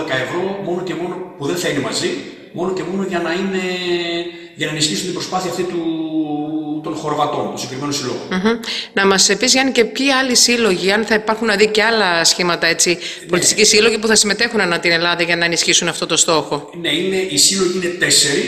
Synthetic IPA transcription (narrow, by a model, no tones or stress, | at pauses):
ekɐe̞vɾo̞mo̞no̞cemo̞no̞puðenθɐine̞mɐzi | mo̞no̞ce̞mo̞no̞ʝɐnɐine̞ | ʝɐnɐenisçisunt̪ibɾo̞spɐθiɐft̪it̪u | t̪o̞nxo̞ɾovɐt̪o̞̰nt̪osɡekɾimenosilo̰ɣom̩çm̩nɐmɐsepizʝɐnice̞pçiɐlisilo̞ʝiɐnθɐipɐɾxunːɐðice̞ɐlɐsçimɐt̪ɐe̞t͡si | po̞lit̪ist̪ikcisilo̞ʝipuθɐsime̞t̪e̞xunɐnɐt̪ine̞lɐðɐʝɐnɐenisçisunɐft̪o̞t̪o̞st̪o̞xo̞ | neine̞ʔisilo̞ʝiine̞t̪e̞se̞ɾi